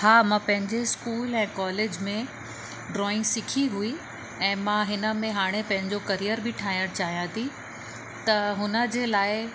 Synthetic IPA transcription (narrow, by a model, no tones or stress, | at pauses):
haːmãːpɐ̃ɦɪ̃ɲd͡ʑeskuːlɛ̃ːkɔːleːd͡ʑmẽ | ɖɾɔːɪ̃ŋɡsɪkʰiɦui | ɛ̃ːmãɦɪnə̆mẽɦaːɽ̃epɐ̃ɦɪ̃ɲd͡ʑokɐɾijəɾbɪʈʰaːɦijəɽ̃t͡ɕaːɦijãt̪ʰi | t̪ɐɦʊnə̆d͡ʑeːlaːɪ